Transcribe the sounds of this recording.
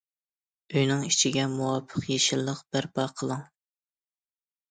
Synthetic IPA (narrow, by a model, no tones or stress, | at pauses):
øjnɪŋi̥t͡ʃʰiɡʲɛmuwɑpʰːəqjeʃilˠːəqb̥æɾbɑqʰəlˠɨŋ